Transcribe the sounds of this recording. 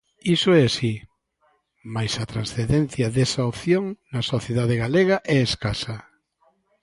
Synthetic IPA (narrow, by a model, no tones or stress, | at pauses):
isoɛasi | majsɐt̪ɾansθeðẽn̟θjɐðesaopθjoŋnɐsoθjeðaðeɣaleɣaʔɛeskasɐ